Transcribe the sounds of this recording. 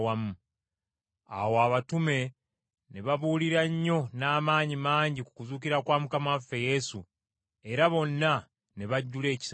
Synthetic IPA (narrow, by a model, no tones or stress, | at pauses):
wamu | a̰woaβatume̞ | ne̞βaβuːliɾaɲːo̞naːmaːɲimaːɲɟiku̥kuzuːciɾakwaːmukamafːe̞je̞su | e̞ɾaβo̞nːa | ne̞βaɟːule̞ːci̥s